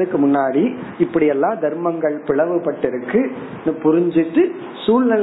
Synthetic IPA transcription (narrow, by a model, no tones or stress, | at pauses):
ɯkːɯmʊnːaːɽiɪpːɐɽɪjɛlːãːd̪ɐɾmɐŋɡɐɭpɪɭɐʋɯpɐʈːɪɾɯkːɯ | nɐpʊɾɪɲd͡ʒɪʈːɯ | suːlnɐ